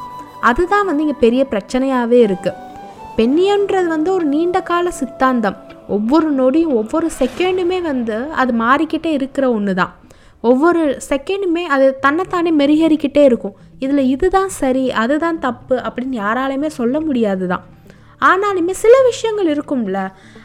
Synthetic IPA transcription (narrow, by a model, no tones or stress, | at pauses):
ɐðɯt̪ãːʋɐnd̪ɯɪŋɡɐpɛɾɪjɐpɪɾɐt͡ʃːɐnɐjaːʋeːɪɾɯkːɯ | pɛɳːɪjɐnɾɐðɯʋɐnd̪ɯɔɾɯniːɳɖɐkːaːlɐsɪt̪ːaːnd̪ɐmɔʋːɔɾɯnoːɽɪjʊ̃ɔʋːɔɾɯsɛkːɛɳɖɯmeːʋɐnd̪ɯɐðɯmaːɾɪkːɪʈːeɪɾɯkːɪɾɐɔnːɯt̪ã̰ː | ɔʋːɔɾɯsɛkːɛɳɖɯmeːɐðɯt̪ɐnːɐt̪ːaːneːmɛɾɪɣɐɾɪkːɪʈːeːɪɾɯkːʊ̃ | ɪðɪlɐɪðɯt̪ãːsɐɾiɐðɯt̪ãːnt̪ɐpːɯʔɐpːɐɽɪnːjaːɾaːlɐjmeːsɔlːɐmʊɽɪjaːðɯt̪ã̰ː | aːnaːnimːɐsɪlɐʋɪʂɐjɐŋɡɐɭɪɾɯkːɯmɪlːɐ